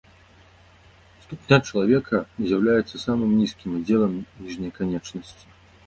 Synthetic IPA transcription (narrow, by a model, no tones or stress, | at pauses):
st̪upnʲat͡ʂɐlˠavʲɛkʰɐzʲjawlʲajɛt̪sːɐsamɨmnʲiskʲimad͡zʲɛlˠɐmnʲiʐnʲɛkanʲɛt͡ʂnɐsʲt͡sʲi̥